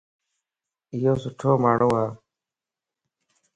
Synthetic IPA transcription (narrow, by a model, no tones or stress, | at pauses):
ɪjoːsʊʈʰoːmaːɽoːaː